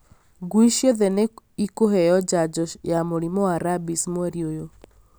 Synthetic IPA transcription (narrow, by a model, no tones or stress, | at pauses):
ɡwiʃjɔðɛneikoɦɛjɔd͡ʒad͡ʒɔjamoɾimɔwaɾabismwɛɾiojo